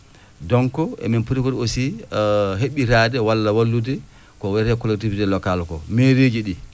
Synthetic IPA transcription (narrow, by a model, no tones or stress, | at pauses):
dɔŋkɔʔɛ̰minpuɾipuɾosi | ɦeɓiɾadɛwalːawalːudɛ | kɔwɛɾɛkɔlɛk̚tividɛlɔkalkɔ̰meɾed͡ʒiɗi